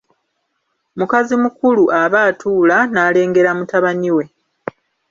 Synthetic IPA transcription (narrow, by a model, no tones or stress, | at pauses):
mukazimukuluʔaβaːtuːlanaːle̞ːŋɡe̞ɾamutaβaniwe̞